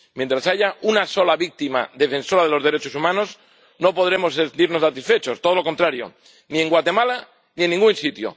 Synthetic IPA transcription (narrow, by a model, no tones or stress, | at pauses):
mje̞nt̪ɾasaʝaunaso̞laβik̚t̪ima̰ðe̞fẽ̞nso̞ɾað̞elo̞zðe̞ɾet͡ʃosumãnos | no̞po̞ð̞ɾemo̞sent̪iɾno̞sat̪isfet͡ʃo̞st̪oð̞olo̞ko̞nt̪ɾaɾjo̰ | nie̞ŋɡwat̪e̞mala | nie̞nːĩŋɡunsit̪jo̰